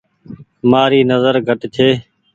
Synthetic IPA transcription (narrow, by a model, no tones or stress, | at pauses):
maːɾiːnəzəɾɡʱəʈt͡ʃ̪ʰeː